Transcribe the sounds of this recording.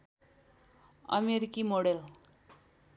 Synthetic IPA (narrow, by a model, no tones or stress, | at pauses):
ʌ̰meɾikimoɽel